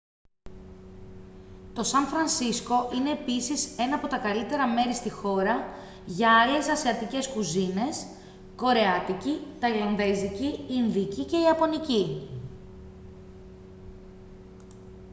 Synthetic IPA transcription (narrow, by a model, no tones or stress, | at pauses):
t̪o̞sɐɱfɾɐnsisko̞ʔine̞ːpisise̞nɐːpo̞t̪ɐkɐlit̪e̞ɾɐme̞ɾist̪ixo̞ɾɐ | ʝɐɐle̞sɐseɐt̪ice̞skuzine̞s | ko̞ɾe̞ɐt̪icit̪ɐlɐnðeziciːnðicice̞iɐpo̞nici